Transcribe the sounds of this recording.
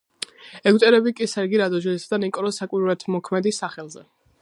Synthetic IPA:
ɛɡwt̪ʼɛɾɛbikʼisɛɾɡiɾad̪ɔʒilisad̪anikʼɔɾɔsakʼwiɾuɾɛt̪ʰmɔkʰmɛd̪isaχɛlˠzɛ̰

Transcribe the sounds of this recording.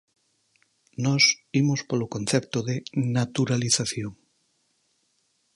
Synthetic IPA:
nɔsimospolokon̟θɛp̚t̪oðenat̪uɾaliθaθjoŋ

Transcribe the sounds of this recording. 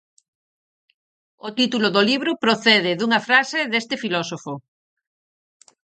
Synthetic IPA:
ot̪it̪uloðoliβɾʊpɾoθɛðɪðuŋɐfɾaseðest̪ɪfilɔsofo

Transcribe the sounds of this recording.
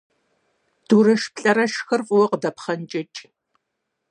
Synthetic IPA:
d̥uːɾɐʃpɬʼɐɾɐʃxɐrfʼʊwɔqədɐpχɐnt͡ʃʼɐt͡ʃʼ

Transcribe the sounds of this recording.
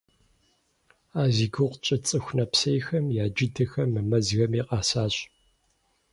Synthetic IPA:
aːziːɡɨʁʷt͡ʃʼɐt͡sʼɨxʷnɐpsɐjxɐmjaːd͡ʒɪtʰɨxɐmːɨmɐzɣɐmiːqʼɑːsaːɕʼ

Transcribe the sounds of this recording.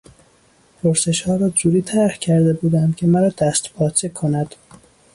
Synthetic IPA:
pʰoɾse̞ʃhɒːɾɒːd͡ʒuːɾiːt̪ʰæɾhcʰæɾd̪e̞buːd̪ænd̪cʰe̞mæɾɒːd̪æst̪pʰɒːt͡ʃʰekʰonæd̪̥

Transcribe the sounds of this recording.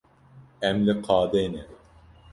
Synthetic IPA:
ɛmlɨqʰɑːd̪eːnɛ

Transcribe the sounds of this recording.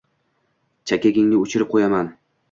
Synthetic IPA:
t͡ʃʰakʲeɡʲɪŋnɪʊt͡ʃʰɪɾɪp̚qʰojaman

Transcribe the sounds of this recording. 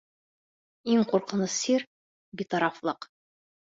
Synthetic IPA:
iŋquɾqɤ̆nɤssiɾ | bit̪ɑɾɑflˠɤq

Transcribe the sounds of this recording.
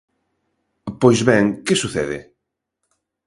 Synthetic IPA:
pojzβɛŋkɪsuθɛ̰ðɪ̰

